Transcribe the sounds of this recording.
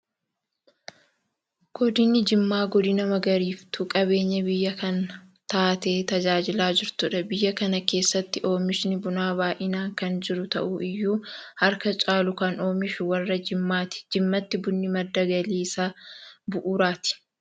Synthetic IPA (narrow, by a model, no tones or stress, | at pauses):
ɡ̥ɔd̪ɪnːɪd͡ʒɪmːaːɡɔd̪ɪnɐmɐɡɐɾiːft̪ukʼɐbe̞ːɲːɐbɪjːɐkɐnt̪aːt̪eːt̪ɐd͡ʒaːd͡ʒɪlaːd͡ʒɪɾt̪ʊᶑɐbɪjːɐkɐnɐke̞ːsːɐt̪ːɪʔo̞ːmɪʃnɪbʊnaːbaːʔɪnaːŋkɐnd͡ʒɪɾʊt̪ɐ̰ʔuʔɪjːuːhɐɾkɐt͡ʃʼaːlʊkɐno̞ːmɪʃʊwɐrːɐd͡ʒɪmːaːt̪ɪ̥d͡ʒɪmːɐt̪ːɪbʊnːɪmɐd̪ːɐɡɐliːsabʊʔuːɾaːt̪ɪ̥